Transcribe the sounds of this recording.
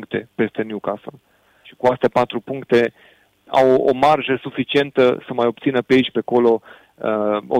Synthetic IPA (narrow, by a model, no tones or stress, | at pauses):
ŋkt̪e̞pe̞st̪e̞njukasəl | ʃi̥kuast̪epat̪ɾupuŋkt̪e̞ | a̰wo̰marʒəsufit͡ʃie̞nt̪əsəmajop̚t̪sinəpeit͡ʃʲpeko̞lo̞ | əo